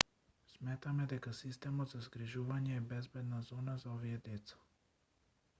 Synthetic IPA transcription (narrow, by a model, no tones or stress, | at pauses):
smɛt̪amɛd̪ɛkasist̪ɛmɔd̪zazɡɾiʒuvaɲɛːbɛzbɛd̪nazɔnazaɔviɛd̪ɛt̪sḁ